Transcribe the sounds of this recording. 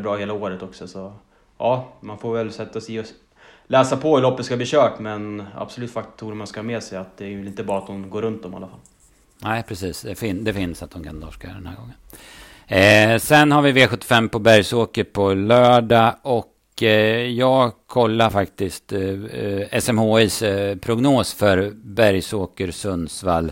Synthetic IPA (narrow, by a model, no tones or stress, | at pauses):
bɾɑːheːlaoːɾət̪ɔksɔsɔ | ʔɑːmanfoːɾvɛlsɛt̪ːasɛɪɔ | lɛːsapʰɔɵlɔpːət̪skabliːɕœːʈmɛna̰b̥sɔlʉ̟ːt̪fakt̪ʰːuːɾəmanskahɑːmeːsɛjat̪̚d̪ɛɾɪlɪnt̪əbɾɑːɾat̪̚hʊnɡoːɾɵnt̪̚d̪ɔma̰lːafalː | næɪpʰɾɛsiːsd̪ɛfɪnd̪ɛfɪnsat̪̚d̪ɔmkʰa̰nːd̪ɔʂkajœ̰ːɾd̪ɛnhæ̰ɾɡɔŋːən | sɛnhaɾvɪveːɧɵt̪ːɪ̥fɛmːpɔbæɾjsoːkəɾpʰɔlœːɖaʔɔk | jɑːɡkʰɔlːaɾfakt̪ɪst̪ | ɛsɛmhoːispʰɾʊɡnoːsfœɾbæɾjsoːkəɾsɵnsvalː